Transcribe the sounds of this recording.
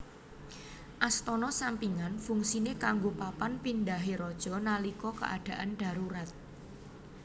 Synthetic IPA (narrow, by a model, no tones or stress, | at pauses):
ʔast̪ɔnɔsampiŋanfuŋsinekaŋɡopapanpindaɦeɾɔd̥ʒ̥ɔ̤nalikɔkə̰ʔa̰ɖ̥a̤ʔanɖ̥a̤ɾuɾat̪̚